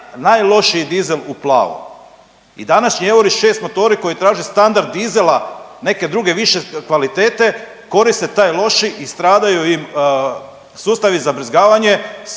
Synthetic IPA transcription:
najlˠo̞ʃid̪izeluplˠa̰ːʋo̰ | ḭd̪anaʃɲieʋoɾit͡ʃʃe̞ːst̪mo̞t̪o̞ːɾiko̞jit̪ɾaːʒist̪and̪aɾd̪ːizelˠane̞ke̞d̪ɾuɡe̞ʋiʃekʋalit̪e̞ːt̪e̞ | ko̞ɾist̪et̪aːjlˠo̞ʃiʔist̪ɾaːd̪ajujim | suːst̪aʋizabɾizɡaːʋaɲe̞

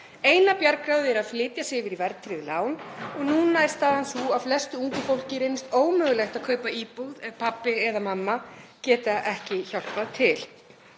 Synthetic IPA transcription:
eːjnapjaɾkɾawðɪɛɾaðflɪːt̪jasɪvɪɾivɛɾt̪ʰɾɪðlaːwnɔɣnunːajst̪aːðansuaflɛst̪ʏuŋkʏfowl̥cɪɾeːjnɪst̪oːwmʏːɣʏlɛxt̪að̥kʰœːɥpaiːpuðɛðpʰapːɪɛðamamːacɛːt̪ɪaʔɛhcɪçawl̥paðt̪ʰɪl

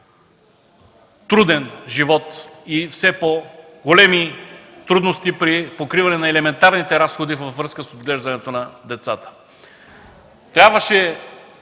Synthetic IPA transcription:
t̪ɾud̪ɛnʒivɔt̪ifsɛpo | ɡolɛmit̪ɾud̪nost̪ipɾipokɾivɐnɛnɐɛlɛmɛnt̪aɾnit̪ɛɾasxod̪ivəfːɾɤskəsod̪ɡlɛʒd̪ɐnɛt̪onɐd̪ɛt̪sat̪ə̥ | t̪ɾʲabvəʃɛ

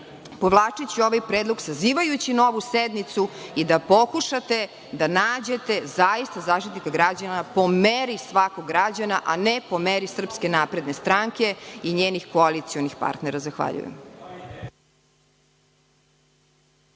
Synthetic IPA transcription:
po̞ʋlˠaːt͡ʂit͡ɕio̞ʋajpɾeːd̪lˠoɡsaziːʋajut͡ɕino̞ʋused̪nit̪suid̪apo̞kuʃat̪e̞ | d̪anaːd͡ʑet̪e̞zaist̪azaːʃt̪it̪nikaɡɾad͡ʑanapo̞meɾisʋakoɡːɾad͡ʑanaʔanepo̞meɾisr̩pske̞napɾe̞d̪ne̞st̪ɾaŋke̞iɲeːnixkoalit̪sionixpa̰ɾt̪neɾazaxʋa̰ʎṵjḛm

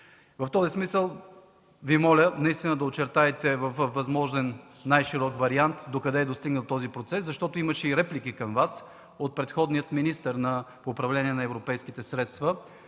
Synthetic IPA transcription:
vɐft̪ɔzismisəlˠ | vimɔlʲənɐist̪inəd̪ɐot͡ʃɛɾt̪aɛt̪ɛvəffːɐzmɔʒɛnːajʃiɾɔkvɐɾiant̪d̪okɐd̪ɛːd̪ost̪iɡnəlˠt̪ɔzipɾot̪sɛszɐʃt̪ɔt̪oiməʃɛiɾɛplikikɐmvas | ot̪̚pɾɛt̪xɔd̪nijət̪minist̪əɾnɐpoːpɾɐvlɛniɛnɐɛvɾopɛjskit̪ɛsɾɛt̪st̪və

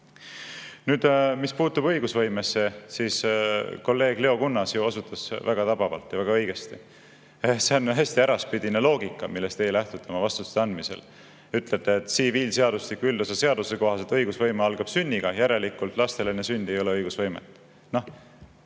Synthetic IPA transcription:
nyːd̪̥mispuːt̪ːubɤjɡ̥usvɤ̞jmesːesiːsko̞lːe̞ːɡ̥le̞o̞kunːɑsjuosut̪ːˑɑsvæɡ̥ɑt̪ɑb̥ɑvɑ̰lt̪ˑjɑvæɡ̥ɑɤ̞jɡ̥e̞st̪i | se̞onɦæsʲt̪iæɾɑspid̪inelo̞ːɡikˑːɑmilːest̪e̞jlæht̪ud̪t̪emɑvɑst̪uu̥t̪eɑnd̪misḛl | yt̪let̪eːt̪ˑsiviːlseɑd̪uslikːuyld̪̥usese̞ɑd̪̥use̞ko̞ɦɑset̪ɤjɡusvɤjmeɑlɡ̥ɑb̥synʲːiɡ̥ɑjæɾe̞likːˑult̪ˑlɑst̪e̞lenːesynʲd̪̥e̞jo̞leɤjɡusvɤjmḛt̪ːˑ | noh

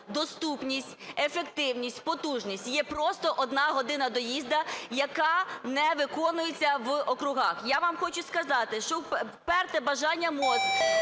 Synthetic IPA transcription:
d̪ɔst̪upnʲisʲtʲefekt̪ɪwnʲisʲtʲpɔt̪uʒnʲisʲtʲjɛpɾɔst̪ɔʔɔd̪nɑɦɔd̪ɪnɐd̪ɔjizd̪ɐjɐkɑnɛʋɪkɔnʊjet͡sʲːɐʋɔkɾʊɦɑxjaʋamxɔt͡ʃʊskɐzɑt̪ɪʃt͡ʃɔp | pɛrt̪ɛbɐʒɑnʲːɐmɔt̪

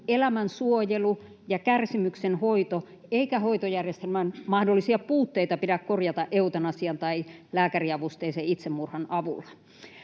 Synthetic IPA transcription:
elæmænsuojelu | jɑkærsimyksenhoit̪o | eikæhoit̪ojærjest̪elmænmɑhdolːˑisiɑpuːt̪ːeit̪ɑpiɾækkorjɑt̪ɑʔeut̪ɑnɑsiɑnt̪ɑilæːkæriɑʋust̪eiseit̪semːurhɑnɑʋṵlːɑ̥

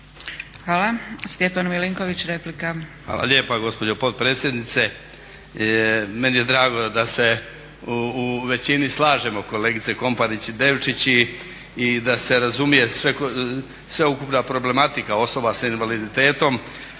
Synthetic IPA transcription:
xʋaːlast̪jepanmiliŋkoʋit͡ɕɾeplikaxa̰ːlˠa̰ʎʲe̞ːpaɡo̞spo̞d͡ʑo̞po̞t̪̚pɾeːt̪sje̞d̪nit̪se̞ | me̞nije̞d̪ɾaːɡo̞d̪ase̞ | uːʋe̞t͡ɕinislˠaːʒemo̞ko̞le̞ːɡit̪seko̞mpaɾit͡ɕid̪e̞ːʋt͡ʃit͡ɕi | id̪ase̞ɾazumije̞sʋek | sʋeukupnapɾo̞ble̞mat̪ikao̞so̞basainʋalid̪it̪e̞ːt̪o̞m

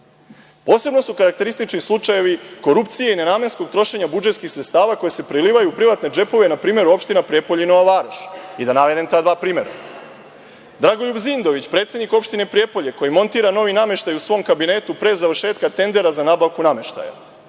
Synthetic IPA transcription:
po̞ːse̞bno̞sukaɾakt̪e̞ɾist̪it͡ʃnislˠut͡ʂaje̞ʋiko̞ɾupt̪sijeine̞naːme̞nsko̞ɡ̚t̪ɾo̞ʃe̞ɲabud͡ʒe̞t̪skixsɾet̪st̪aːʋako̞jese̞pɾiliːʋajuːpɾiʋat̪ne̞d͡ʒe̞po̞ʋe̞napɾiːme̞ɾuo̞pʃt̪inapɾijepoʎeno̞ʋaʋaɾaʃid̪anaʋe̞d̪emt̪aːd̪ʋaːpɾiːme̞ɾa̰ | d̪ɾaɡo̞ʎubzind̪o̞ʋit͡ɕpɾe̞t̪sʲed̪niko̞pʃt̪ine̞pɾije̞po̞ʎeko̞jimo̞nt̪iːɾano̞ʋiname̞ʃt̪ajusʋo̞ːmkabine̞ːt̪upɾe̞zaʋr̩ʃeːt̪̚kat̪e̞nd̪e̞ɾazanaːbaʋkuname̞ʃt̪a̰ja̰

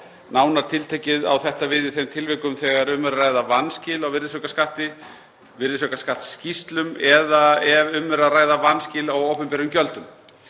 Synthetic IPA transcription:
naːwnaɾ̥t̪ʰɪlt̪ʰeːjcɪða̰wθɛht̪avɪðɪθejmt̪ʰɪlvɪkʏmθɛːɣaɾʏmvɛɾaɾraːjðavanːscɪlawvɪrðɪsœkaskaht̪ɪ | vɪɾðɪsœkaskaht̪scist̪lʏmɛðaɛvʏmːɛɾaðraːjðavanːscɪlawowpʏmpɛɾʏmcœlt̪ʏm

